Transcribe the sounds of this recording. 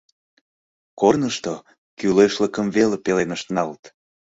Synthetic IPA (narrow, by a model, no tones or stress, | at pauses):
kornəʃt̪o | kyleʃləkəmvelepelenəʃt̪ənɑlt̪